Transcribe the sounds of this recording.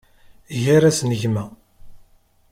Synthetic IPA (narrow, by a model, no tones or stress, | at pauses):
ʝaɾæsnəʝmæ